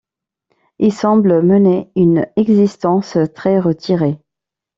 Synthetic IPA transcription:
ilsɑ̃bləməneynɛɡzist̪ɑ̃st̪χɛʁət̪ʰiʁe

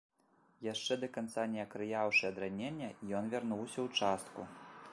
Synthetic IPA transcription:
jaʂt͡ʂɛd̪ɐkant̪sanʲɛɐkɾɨjawʂɨɐd̪ɾanʲenʲːɐijɔnvʲarnuwsʲɐwt͡ʂast̪ku

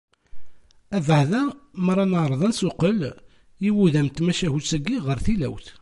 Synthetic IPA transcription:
ævəʕðæməɾˤɑnəɾˤðˤænsʊqəl | iwuðæmt̪mæʃæhut͡sːæɡiʁəɾθilæwθ

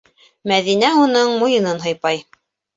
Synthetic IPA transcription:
mæðinæunɤɴmujɤ̆nɤnɦɤ̆jpɑj

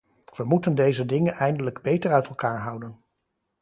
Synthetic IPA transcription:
ʋəmutəndejzədɪŋənɛjndələɡbejtəɹœɥtɛlˠkaːɹɦʌwdən

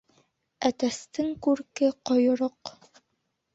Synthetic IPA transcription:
æt̪æst̪ɘŋkʉɾkɘqojŏɾoq

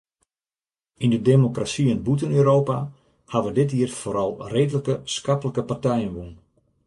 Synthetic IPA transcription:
indədemokrasiənbutənøːɾowpa | haʋədɪt̬iːrfoːɾɑlˠreːdələkəskapələkəpartɛjənʋun

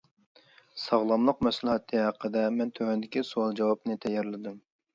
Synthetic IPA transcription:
sɑʁlˠɑmlˠəqmɛslˠɨɦɛt̪ʰːɨɦæqʰːəd̪ɛmɛnt̪ʰøhɛnd̪ɪkʲisuɑlˠd͡ʒɑwɑpnɨt̪ʰɛjːɑɾlɪd̪um

